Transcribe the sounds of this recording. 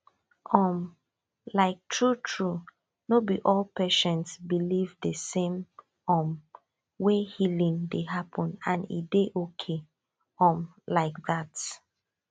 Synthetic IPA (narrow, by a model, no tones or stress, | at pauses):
ʔɔ̃m | laɪk̚tʰɹutʰɹu | nobiʔɔlpɛʃɛ̃ntsbilivdəsẽm | ɔ̃m | wehilĩŋdeɦapʰɔ̃nãnḭdeʔokʰe | ɔ̃m | laɪk̚ðat